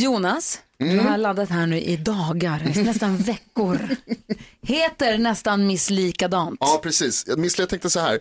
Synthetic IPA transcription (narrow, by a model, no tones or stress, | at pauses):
juːnasd̪ɵɦaɭad̪ːat̪ɦæːɳʉ̟ːʔɪd̪ɑːɡaɾnɛst̪anvɛkːʊɾ | heːt̪əɾnɛst̪anmɪsliːkad̪ɑːnt̪ɑːpʰɾɛsiːsjmɪslːt̪ʰɛŋkt̪əsɔhæ̰ːɾ